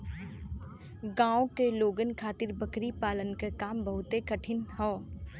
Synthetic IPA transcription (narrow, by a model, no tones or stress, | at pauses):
ɡãːõkeloːɡənkʰaːt̪ɪɾbəkɾipaːlənkekaːmbəɦʊt̪ekɐʈʰɪnhɔ̃ː